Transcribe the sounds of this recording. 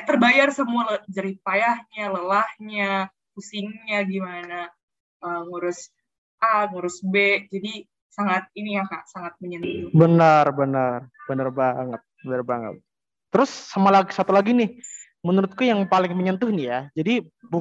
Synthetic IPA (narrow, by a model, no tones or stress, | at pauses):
at̪ərbajarsəmualəd͡ʒaɾipajahɲaləlahɲa | pusɪŋɲaɡimana | ʔəːŋuɾʊs | ʔaŋuɾʊsbed͡ʒadi | saŋat̪̚iniakaʔsaŋat̪̚məɲənt̪ʊbənərbənərbənərbaŋət̪̚bənərbaŋə̰t̪̚ː | əɾʊsːamalaɡisat̪ulaɡinɪh | mənuɾʊt̪̚kujaŋpalɪŋməɲənt̪ʊhnɪhjad͡ʒadi | bu